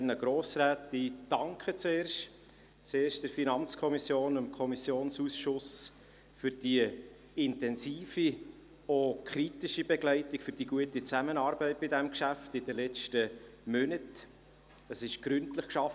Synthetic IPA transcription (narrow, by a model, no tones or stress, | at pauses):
nəɡ̥ɾoːsɾæːtid̥ɑŋkχət͡seːɾʃt | t͡seːrʃtd̥əɾfinɑnt͡skʰɔmisjoːnəmkʰɔmisjoːnsusʃʊs | fʏɾd̥iə | ɪntɛnsiːfi | okʰɾitɪʃibɛɡlɛɪtɪkfyɾd̥iɡuətit͡sæmənɑːɾbɛɪt̚b̥ɪdɛmkʃæftɪdəlɛt͡ʃtə | mœnət | əsɪʃɡ̥ɾʏntləχkʃɑf